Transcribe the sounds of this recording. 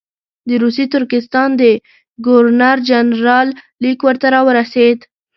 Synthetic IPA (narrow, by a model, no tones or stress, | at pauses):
d̪əɾusit̪ʊɾkɪst̪ɑnd̪ə | ɡʊɾnaɾd͡ʒanɾɑlː | ikwəɾt̪aɾɑwəɾased̪